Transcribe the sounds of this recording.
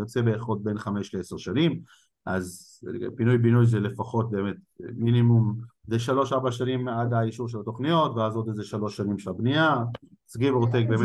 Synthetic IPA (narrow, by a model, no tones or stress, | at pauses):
jot͡se̞beːχod̚benχameʃleeseʁʃanim | ʔaz | pinujbinujzelefaχo̞t̪̚be̞ːme̞t̚ | minimum | zeʃalo̞ʃaʁbaʃanimadaiʃuʁʃelat̪o̞χnijo̞tveazot̪ezeʃalo̞ʃːanimʃelabnija | t͡sɡivoʁt̪̬ek̚beːm